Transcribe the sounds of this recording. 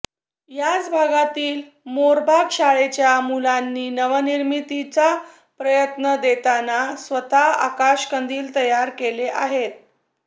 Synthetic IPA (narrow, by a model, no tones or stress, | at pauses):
jat͡sbʱaɡat̪iːl | moɾbʱakʂaɭet͡ɕjamulanːiːnəʋəniɾmit̪it͡sa | pɾəjət̪nəd̪et̪anasʋət̪aa̰kaɕkənd̪iːlt̪əjaɾkeleʔaɦet̪̚